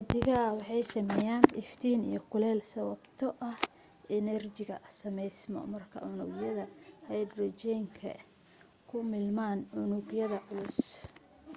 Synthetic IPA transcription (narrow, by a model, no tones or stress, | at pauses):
ɡd̪ɪɣɐwɑħɑjsɐmɛjaːnɪft̪ʰiːnḭjɞkʰʊlɛːlsɐwɐbt̪ʰɔʔɐh | ʔɛnɛrt͡ʃɪɣɐsɐmɛjsmɔ̰mɐrkʰɐ̰ʕʊnʊ̰ːɡjɐðɐhɛjd̪rɔt͡ʃɛjŋkʰɐ̰ | kʰʊmɪlmaːnʕʊnʊɡjɐðɐʕʊlʊs